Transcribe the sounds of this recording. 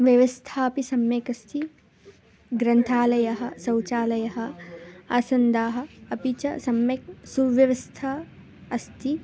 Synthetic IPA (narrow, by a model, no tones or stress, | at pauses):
ʋjɐʋɐst̪ʰaːɐpisɐmjekɐst̪ʰi | ɡɾɐnt̪ʰaːlɐjɐɦɐ̆sɐwt͡ʃaːlɐjɐɦɐ̆aːsɐnd̪aːɦɐ̆ːpit͡ʃɐsɐmjɐk̚suʋjɐʋɐst̪ʰa | ɐst̪ʰi